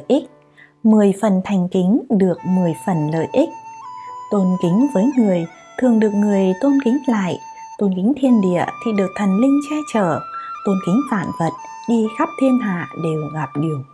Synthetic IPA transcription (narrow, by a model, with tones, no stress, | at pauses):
ʔi˦˥k̚ | mɨ˨˩əjfə˨˩nt̪ʰa˨˩jŋ̟ki˨˦ŋ̟ɗɨ˨˩ək̚mɨ˨˩əjfə˨˩nlə̰ː˧˨jʔi˦˥k̚t̪o˧nkï˨˦ŋ̟vəː˨˦jŋɨ˨˩əj | t̪ʰɨ˨˩əŋɗɨ˨˩ək̚ŋɨ˨˩əjt̪o˧nkï˨˦ŋ̟la̰ː˧˨j | t̪o˧nkï˨˦ŋ̟t̪ʰi˧ənɗḭ˧˨ət̪ʰḭ˧˨ɗɨ˨˩ək̚t̪ʰə˨˩nlï˧ŋ̟t͡ɕɛ˧t͡ɕəː˧˩t̪o˧nkï˨˦ŋ̟faː˧˩˨nvə˨˩t̚ | ɗi˧xa˦˥p̚t̪ʰi˧ənɦa̰ː˧˨ɗe˨˩wɣa˨˩p̚ɗi˨˩əŋ